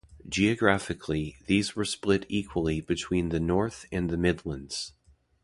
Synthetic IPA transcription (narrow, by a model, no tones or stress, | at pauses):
d͡ʒiɨɡɹæfɨkʰliðizwə˞splɪɾikʰwəlˠibɨtʰw̥ĩnðɨnɔɹθɨ̃nðɨmɪdˡlə̃ndz̥